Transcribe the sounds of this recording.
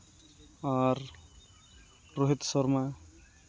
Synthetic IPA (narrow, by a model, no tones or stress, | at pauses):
aɾ | ɾoɦit̪sɔɾma